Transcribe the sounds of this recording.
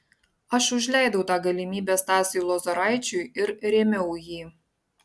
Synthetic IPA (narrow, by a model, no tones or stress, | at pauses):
ɑʃuʒʲlʲæjd̪owt̪ɑɡɐlʲimʲibʲæst̪ɑsʲilˠozoɾɑjt͡ɕujɪrrʲemʲeuji